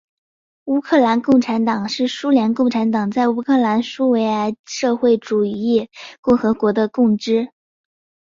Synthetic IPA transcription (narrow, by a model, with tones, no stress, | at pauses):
u˥kʰɤ˥˩la˧˥nkʊ˥˩ŋʈ͡ʂʰa˧˥nt̪ɑ˨˩ŋʂɻ̩˥˩ʂu˥ljɛ˧˥nkʊ˥˩ŋʈ͡ʂʰa˧˥nt̪ɑ˨˩ŋt͡sa˥˩ɪu˧˥kʰɤ˥˩la˧˥nʂu˥we˧˥ɪa˧˥ɪʂɤ˥˧xwe˥˩ɪʈ͡ʂu˨˩i˥˩kʊ˥˩ŋxɤ˧˥kwɔ˧˥d̪ə˧kʊ˥˩ŋʈ͡ʂɻ̩˥